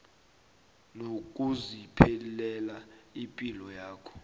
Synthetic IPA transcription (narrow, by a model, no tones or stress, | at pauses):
nok̬ʼuzipʰelilɛlaimpʼilɔjaːkʰɔ̥